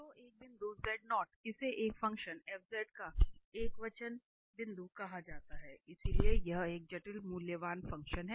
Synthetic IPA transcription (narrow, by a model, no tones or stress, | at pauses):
t̪oːʔeːk̚bɪ̃nd̪uzɛːɖnɔːʈ̚ɪseʔeːkfɐ̃ŋkʃənɛːbzɛːʈkaeːkʋɐt͡ʃən | bɪ̃nd̪ʱukɐɦad͡ʒaːt̪aɦɛːɪsiliejɐɦeːk̚d͡ʒɐʈɪlmuːljəʋaːnfɐ̃ŋkʃənɦɛː